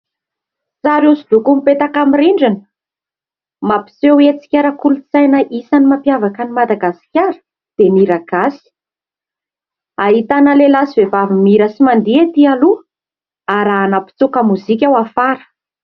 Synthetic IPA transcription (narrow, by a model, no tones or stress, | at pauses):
zaɾezulukumipet̪akamiɾiɳɖ͡ʐinə̥ | mapi̥sewet͡si̥kʲaɾakulut͡sajnəʔisanimapjavakənimad̪aɡasi̥kʲaɾə̥ | d̪̥emiɾaɡ̥asi̥ | aɦit̪anəlelasivevavimiɾəsimand̪iet̪ialu | aɾaanapi̥t͡sukəmuzik̬ʲawafaɾə̥